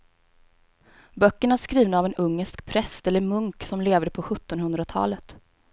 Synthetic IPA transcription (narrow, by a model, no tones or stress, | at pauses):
bœkːəɳæʂkɾiːvnaːvɛnɵŋːəʂkpʰɾɛsɛlːəɾmɵŋksɔmleːvd̪əpʰɔɧɵt̪ːɔnhɵnd̪ɾat̪ʰɑ̰ːlət̪